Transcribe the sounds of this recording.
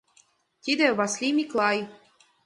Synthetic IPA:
t̪ʲid̪eβɑslʲimʲiklˠɑj

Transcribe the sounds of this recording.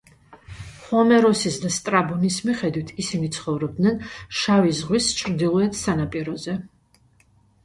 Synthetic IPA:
χɔmɛɾɔsisd̪ast̪ʼɾabunismiχɛd̪wit̪ʰisinit̪sʰχɔvɾɔb̚d̪nɛnʃavizʁwist͡ʃʰɾd̪ilˠɔɛt̪ʰsanapʼiɾɔzɛ

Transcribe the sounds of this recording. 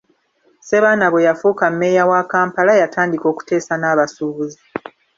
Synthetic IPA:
se̞βaːnaβwe̞jafuːkamːe̞jawakaːmpalajataːndiko̞ːku̥te̞ːsanaːβasuːβuzi

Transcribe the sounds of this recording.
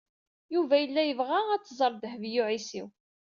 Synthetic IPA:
juvæjəlːæjəvʁaæt͡sːzˤəɾˤd̪hvjuʕisiw

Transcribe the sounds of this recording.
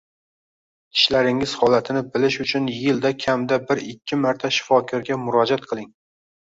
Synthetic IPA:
kʲʰɪ̥ʃlaɾɪŋɪz̥hɒlat̪ʰɪnɪbɪlɪʃʊt͡ʃʰʊnjɪld̪akʲʰamd̪abɪɾɪkʲʰːɪmaɾt̪ʰaʃɪ̥fɒkʲʰɒɾɡʲamʊɾɒd͡ʒat̪̚qʰɨlˠɪŋ

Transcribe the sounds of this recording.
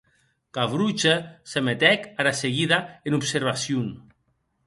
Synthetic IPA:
kaβɾut͡ʃesemet̪ɛkaɾaseɣiðaenupseɾβasjun

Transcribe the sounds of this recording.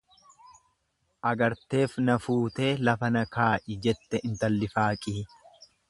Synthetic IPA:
ʔɐɡɐɾt̪e̞ːfnɐfuːt̪e̞ːlɐfɐnɐkaːʔɪd͡ʒɛt̪ːɛʔɪnt̪ɐlːɪfaːkʼiː

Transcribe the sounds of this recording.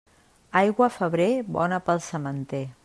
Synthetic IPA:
ajɣwəfəβ̞ɾeβɔ̰nəpəlˠsəmənt̪e

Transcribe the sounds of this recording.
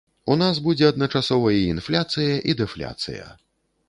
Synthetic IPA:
unazbud͡zʲɛɐd̪nɐt͡ʂasɔvɐjiːnflʲat̪sɨjɐʔid̪ɛflʲa̰t̪sɨ̰jɐ̰

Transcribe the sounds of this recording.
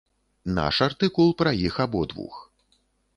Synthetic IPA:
na̰ʂart̪ɨkulˠpɾɐjixabɔd̪vṵx

